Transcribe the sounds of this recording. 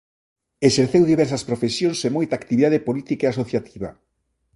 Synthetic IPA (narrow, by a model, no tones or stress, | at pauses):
eʃeɾθewðiβɛɾsɐspɾofesjonsemojt̪aːkt̪iβiðaðepolit̪ikeasoθjat̪ʰiβa̰